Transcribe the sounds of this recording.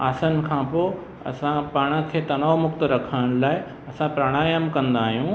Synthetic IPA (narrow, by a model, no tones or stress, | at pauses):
aːsənɪ̆kʰãːpoː | ɐ̰sãpaːɽ̃ə̆kʰeːt̪ɐnaːomʊkt̪ɾɐkʰəɽəɽ̃laːɪ | ɐsãpɾaɽ̃aːjəmkɐ̃nd̪aːɦijũː